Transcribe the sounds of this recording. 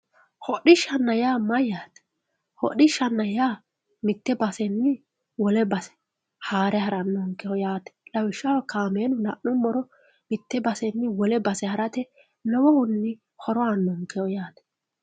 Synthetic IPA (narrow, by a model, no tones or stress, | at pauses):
hɔɗɪʃːɐnːɐjaːmɐjaːt̪ɛ̥ | hɔ̰ɗɪʃːɐnːɐjaː | mɪt̪ːɛbɐsɛnːɪ | wɔlɛbɐsɛ̥ | haːɾɛhɐɾɐnːɔŋkːɛhɔjaːt̪ɛ̥lɐwɪʃːɐwɐkaːmeːnʊlɐʔnʊmːɔɾɔ | mɪt̪ːɛbɐsɛnːɪwɔlɛbɐsɛhɐɾɐt̪ɛ | lɔwɔhʊnːɪ | hɔɾɔanːɔŋkɛɔjaːt̪ɛ̥